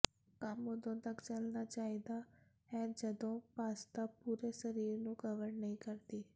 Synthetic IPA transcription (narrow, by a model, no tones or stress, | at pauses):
kaːmũd̪õt̪ɐkt͡ʃɐlnat͡ʃaːɦid̪a | ɛ̃ːd͡ʒɐd̪õpaːst̪apuːɾesɐɾiːɾnũːkɐʋəɾnɐĩkɐɾd̪iː